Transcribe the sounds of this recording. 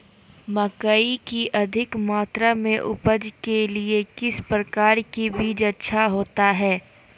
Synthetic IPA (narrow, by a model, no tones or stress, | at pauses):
mɐkəikiʔɐd̪ʱɪkmaːt̪ɾamẽʔʊpəd͡ʒkeliekɪspɾəkaːɾkibiːd͡ʒɐtːʃʰaɦoːt̪aɦɛː